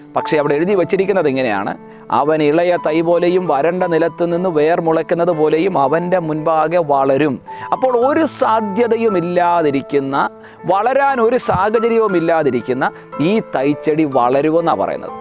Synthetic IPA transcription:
pɐkʂe̞ɐʋiɽeeɻuðiʋɐt͡ɕːiɾikʲːunːɐðiŋːɐne̞ja̰ːɳɨ̰ | ɐ̰ʋɐniɭɐjɐt̪ɐjbo̞ːlejumʋɐɾɐɳɖɐnilɐt̪ːɨninːuʋe̞ːrmuɭɐkʲːunːɐðɨpo̞ːle̞jumɐʋɐnde̞munbaːɡɐʋɐɭɐɾumɐpːo̞ːɭo̞ɾusaːd̪ʱjɐðɐjumilːaːðiɾikʲːunːɐ | ʋɐɭɐɾaːno̞ɾusaːɣɐt͡ɕɐɾjɐʋumilːaːðiɾikʲːunːɐ | iːt̪ɐjt͡ɕːɐɽiʋɐ̰ɭɐɾuʋenːa̰ːpɐ̰rɐ̰jṵnːɐ̰ðɨ

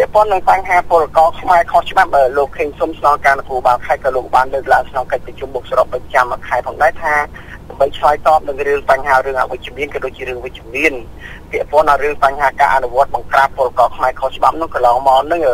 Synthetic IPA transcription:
pɛ̆əʔpŏənːɨŋpaɲɦaːpʊ̆əlkɑːkʰmaɛkʰoht͡ɕɓap̚ʔəːloːkʰːəːŋsumsnɑlkaːnukuəɓaːlkʰaɛkɔːloːk̚ɓaːnləːk̚laəŋkʰnoŋkəc̚prɑt͡ɕumɓuk̚saɾopːic̚t͡ɕamkʰːaɛpʰɔːŋɗaɛt̪ʰaː | ɗaəmɓəjt͡ɕʰlaːjt̪ɑːp̚nɨŋrɨəŋpaɲɦaːrɨəŋʔa̰ʋɨc̚t͡ɕĭəmiənkɔɗoːc̚t͡ɕiəɾɨəŋʋɨc̚t͡ɕaəmiənpɛ̆əʔpŏənɗaːrɨəŋpaɲɦaːka̰ːʔa̰nuʋŏət̪̚ɓɑŋkraːpːʊ̆əlakɑːkʰmaɛkʰoht͡ɕəɓap̚nʊŋkɑnlɑːŋmaɔnɨŋː

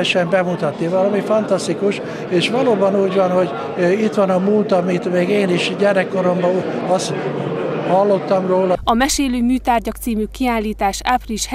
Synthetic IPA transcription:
ʃɛmbɛmut̪ɒt̪nivɒlɒmifɒnt̪ɒst̪ikuʃ | eːʃʋɒloːbɒnuːɟvɒnho̞ɟ | it̪ʋɒnɒmult̪ɒmit̪meːɡeːniʃɟɛrːɛkːoɾo̞mbɒɒshɒlːo̞t̪ːɒmroːlɒɒmɛʃeːløːmyːt̪aːrɟɒk̚t̪siːmykːiaːlːiːt̪aːʃapriʃh

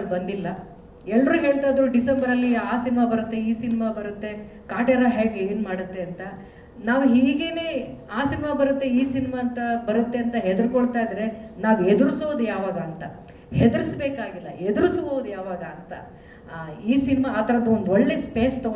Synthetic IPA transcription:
bɐnd̪ilːɐ | ɛlːɾuːɦe̞ːɭt̪ajd̪ɾuɖisɐmbɐɾɐlːiaːsinimabɐɾut̪ːe̞iːsinimabɐɾut̪ːe̞ | kaːʈeɾaɦeːɡeɡinmaːɽut̪ːe̞ɐnt̪ɐ | naːʋuɦiːɡe̞ːneaːsinimabɐɾut̪ːe̞iːsinimaːnt̪ɐbɐɾut̪ːe̞ɐnt̪ɐɦed̪uɾkoɭt̪aːjid̪ɾe̞naːʋued̪uɾusoːʋd̪ujaːʋaːɡɐːnt̪ɐ | hed̪uɾɨsbe̞ːkaːɡilːɐed̪uɾusʋoːʋd̪ujaːʋaːɡɐːnt̪ɐ | iːsinimaːt̪ʰɐɾɐd̪ːuond̪ɔɭːe̞speːst̪o

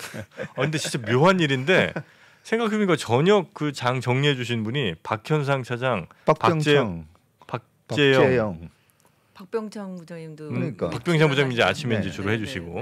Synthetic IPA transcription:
aɯnde̞t͡ɕint͡ɕ͈amjoɦaniɾinde̞ | sʰe̞ŋɡakʰebuniɡat͡ɕʌɲʌkɯt͡ɕaŋt͡ɕʌŋɲiɦe̞d͡ʑuɕ̬ʰinbuɲipakʰjʌns̬ʰaŋt͡ɕʰad͡ʑaŋ | apat͡ɕ͈e | pak̚ | pt͡ɕ͈ejʌ | pak̚p͈jʌŋt͡ɕʰaŋbud͡ʑaŋimdkpak̚p͈jʌŋt͡ɕʰaŋbud͡ʑaŋimid͡ʑea̰t͡ɕʰimeid͡ʑe̞t͡ɕoɾoɦe̞d͡ʑuɕʰiɡo

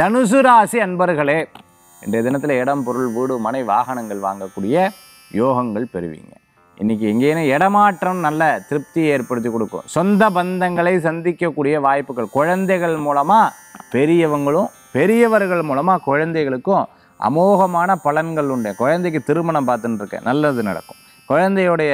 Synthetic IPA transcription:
t̪ɐnɯsɯɾaːsiɐnbɐɾɣɐɭeː | ɪ̰ndrejɐðɪnɐt̪ːɪlɐɛɽɐmpɔɾɯɭʋiːɽɯmɐnɐɪʋaːɣɐnɐŋɡɐɭʋa̰ːŋɡɐkːuːɽɪjɐ | joːɣɐŋɡɐɭpɛɾɯʋḭːŋɡɐ | ʔɪ̰nːɪk̬ːɯɛŋɡeːnɯɛɽɐmaːʈrɐmnɐlːɐt̪ɪɾɯp̚t̪ieːɾpɐɽɯt̪ːikːɔɽɯkːʊ̰̃sɔnd̪ɐbɐnd̪ɐŋɡɐɭɐɪsɐnd̪ɪkːɐkːuːɽɪjɐʋaːjpːɯɣɐɭkɔɻɐnd̪ɐɪɣɐɭmuːlɐmaː | pɛɾɪjɐʋɐŋɡɐɭʊ̃ | pɛɾɪjɐʋɐɾɣɐɭmuːlɐmaːkɔɻɐnd̪ɐɪɣɐɭɯkːʊ̃ | ʔɐ̰moːɣɐmaːnɐpɐlɐnɡɐɭʊɳɖẽkɔɻɐnd̪ɐɪkːɯt̪ɪɾɯmɐɳɐmpaːɾt̪ɯnɯɾɯkːɛ̰̃nɐlːɐðɯnɐ̰ɽɐ̰kːɯ̥̃ | kɔɻɐnd̪ɐjɔɽɐjɐ

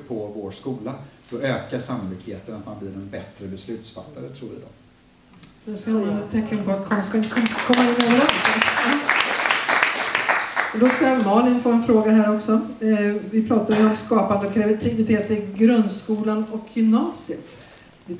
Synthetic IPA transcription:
pʰɔvoːʂkuːlad̪̥ɔʔøːkaʂamːʊlɪkheːt̪ənat̪manbliːɾɛnbɛt̪ɾəbɛslʉ̟ːt̪sfat̪ʰːaɾət̪ʰɾuːvɪ̰d̪ɔ̰m | d̪ɛskɔand̪ət̪ʰːɛkːənpɔat̪kʰɔmskaɪnt̪kʰɔnt̪əkʰɔmːaɪnoːɾa | d̪ɔskamɑːlɪnfoːɛnfɾoːɡaɦæːɾɔksɔ | vɪpʰɾɑːt̪ad̪ɔmskɑːpand̪əɔkʰɾavɪt̪ʰɪvɪt̪ʰeːt̪əɡɾɵnd̪skuːlanɔkʰːjʏmnɑːsɪət̪

